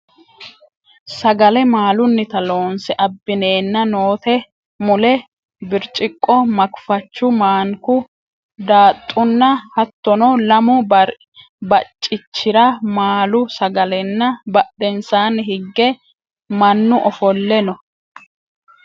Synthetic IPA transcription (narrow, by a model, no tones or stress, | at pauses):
sɐɡɐlɛmaːlʊnːɪt̪ɐlo̞ːnsɛʔɐbːɪneːnːɐno̞ːt̪ɛ | mʊlɛ | bɪɾt͡ʃʼɪkʼːɔmɐkfɐt͡ʃːʊmaːŋkʊ | d̪aːt̪ʼːʊnːɐhɐt̪ːɔnɔlɐmʊ | bɐt͡ʃʼːɪt͡ʃːɪɾɐmaːlʊsɐɡɐlɛnːɐbɐɗɛnsaːnhɪɡːɛ | mɐnːʊʔɔfɔlːɛnɔ